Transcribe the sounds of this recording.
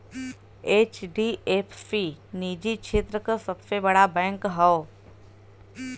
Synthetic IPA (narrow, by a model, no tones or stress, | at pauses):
eːt͡ʃɖiepʰːiniːd͡ʒikʃʰeːt̪ɾəkəsɐbsebəɽabɛ̃ːŋkɦɛo